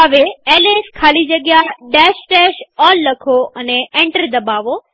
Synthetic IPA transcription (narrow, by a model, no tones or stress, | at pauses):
əʋeeːleːskʰaːlid͡ʑɐɡjaɖɛːʃʈɛːʃɔːlːɐkʰoʔɐneʔẽːɳʈəɾd̪ɐbaːʋo